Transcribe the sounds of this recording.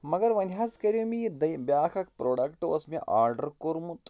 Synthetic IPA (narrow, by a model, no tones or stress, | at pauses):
mɐɡɐɾʋɐnʲɦaːzkɐɾumid̪ɐjbjaːkʰɐkʰpɾoːɖɐkʈʋɐ̰smiʔaːɾɖɐɾkoɾmut̪